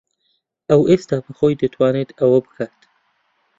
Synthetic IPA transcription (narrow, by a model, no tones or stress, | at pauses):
awest̪ɑpəxojd̪ət̪ʰwɑnet̪awəbxat̪